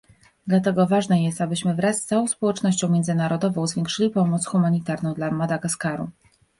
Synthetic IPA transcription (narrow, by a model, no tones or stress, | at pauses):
d̪lat̪ɛɡɔvaʐnɛjɛst̪abɘɕmɘvɾast̪sawɔ̃w̃spɔwɛt͡ʂnɔɕt͡ɕɔ̃w̃mʲjɛnd̪zɘnaɾɔd̪ɔvɔ̃w̃zvʲjeŋkʂɘlʲipɔmɔt̪sxumaɲit̪aɾnɔ̃w̃d̪lamad̪aɡaskaɾṵ